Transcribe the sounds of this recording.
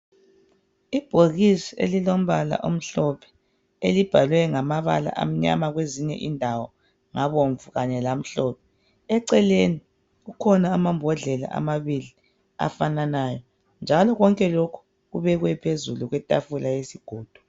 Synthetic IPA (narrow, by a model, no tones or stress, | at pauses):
ib̥ʱoɣisiḛlilom̩βala̰ʔom̩ɬɔpʰɛ̥ | elib̥ʱalwɛŋamaβa̰la̰ʔa̰m̩ɲa̰maɣweziɲɛ̰ʔindʱawɔ | ŋaβoɱvuɣaɲɛlam̩ɬɔːpʰɛ | ɛǀɛleni | ɣukʰɔnaːmambʱɔɮɛla̰ʔa̰maβili | a̰fananajɔ | nd͡ʒʱalɔɣɔŋkʼɛlokʰu̥ | ɣuβɛɣwɛpʰezuluɣwɛtʼafulajesiɡ̥ʱoːd̥ʱu̥